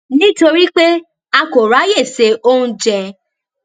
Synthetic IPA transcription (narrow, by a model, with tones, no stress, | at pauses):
nĩ˦to˧ɾi˦k͡pe˦ | a˧ko˨ɾa˨˦je˦˨se˨˦o˦ũ˦d͡ʒɛ˨˧